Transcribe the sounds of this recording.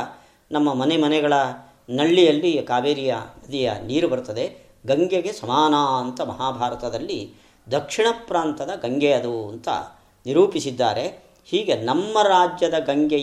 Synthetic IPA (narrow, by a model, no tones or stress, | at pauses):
nɐmːɐmɐnemɐnɛɡɐɭɐ | nɐɭːijɐlːikaːbeːɾijɐnɐd̪ijɐniːɾubɐɾut̪ɐd̪e̞ | ɡɐŋɡeɡesɐmaːnaːɐnt̪ɐmɐɦaːbʱaːɾɐt̪ɐd̪ɐlːi | d̪ɐkʂiɳɐpɾaːnt̪ɐd̪ɐɡɐŋɡejɐd̪uɐ̰nt̪ɐ̰ | niɾuːpisid̪ːaːɾe̞ | hiːɡe̞nɐmːɐɾaːd͡ʒjɐd̪ɐɡɐŋɡe